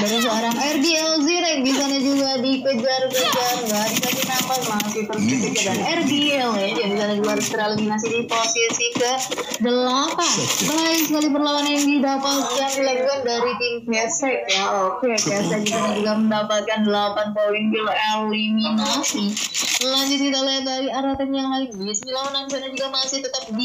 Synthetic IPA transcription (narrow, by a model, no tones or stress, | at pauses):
daɾis̬əoɾaŋɛrdiɛlziɾɛbisanad͡ʒuɡadikəd͡ʒarkəd͡ʒarɡadisakinapanmasit̪əlbɛsɛkadanɛrdiɛlɛd͡ʒabisanad͡ʒuɡaɾst̪əɾalɡinas̬idiposisikədəlapanməlaɪnsəkalipərlawanandidapalkandilad͡ʒukandaɾit̪impɛsɛkjaokekasakit̪adad͡ʒuɡaməndapalkandəlapant̪olɪnkiloaliminasiəlaɲd͡ʒʊt̪̚it̪alajandaɾiaɾat̪ɛnjaŋlaɪnbisnilawananbis̬anad͡ʒuɡamasɪht̪ət̪əp̚di